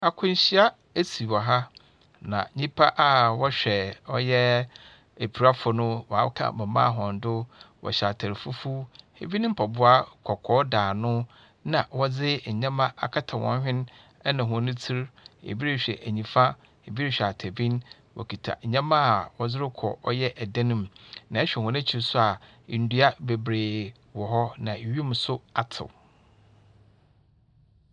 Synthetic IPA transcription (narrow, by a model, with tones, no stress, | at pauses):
a˨kʰʊ̃˦ɲ˦ɕi˦a˦ | e˦si˨wɔ˨ɦa˦ | nã̰˨˦ɲĩ˦pʰa˦ʔa˦wɔ˦ɕᶣɛ˨ɔ˦jɛ˦ | e˨pʰi˨ɾa˦fʊ˨nʊ̃˦wa˨˦kʰã̰˦˨mã˨mã̰˦˨ɦɔ̃˨n˨dʊ˦wɔ̰˨ɕa˨tʰa˨ɾfu˦fu˦hḛ˦bi˦n˦m̩˦pʰa˨bʊ˦a˦kʰɔ˨kʰɔ˦daː˨nʊ̃˦ | nã˨wɔ˦d͡zɪ˦˨ɲã˦mã˦ʔa˨kʰa˦tʰa˨wɔ̰̃˨ɲ˦hᶣɪ̃˦n | ɛ˦nã˨ɦʊ̃˨nʊ̃˦t͡sʰi˦ɾḛ˨bi˦ɾɪ˦ɕᶣɛ̰˨ʔæ˨ɲĩ˨fa˦ | e˨bi˦ɾɪ˦ɕᶣa˨tʰæ˨bĩ˦n | wʔɔ̰˨kʰi˨tʰa̰˨ɲ˨ɲã˦mã˦a˨wɔ˨d͡zɪ˦ɾɪ˦kʰɔ̰˨ʔɔ˦jɛ˦ʔɛ˨dã˦nɪ̃˨mnã˨ɛ˦ɕᶣɛ˨hɔ̃˨nã˦t͡ɕʰi˨ɾsʊ˦a˨ | n̩˨du˦a˦be˨bɾeː˨ | wɔ˨ɦɔ˦nã˨ɥi˦m˦sʊ˦a˨tʰɪ̰˨w